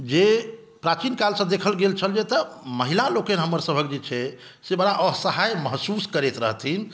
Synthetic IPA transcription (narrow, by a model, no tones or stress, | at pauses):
d͡ʒe | pɾat͡ʃinkalsə̃d̪ekʰəlɡelt͡ʃʰəld͡ʒɛt̪əməɦilalokenɦəmːəɾsəbʱəkd͡ʒet͡ʃʰɛ | sebəɽaʔəɦsəɦajməɦsuskəɾet̪ɾə̰ɦt̪ʰin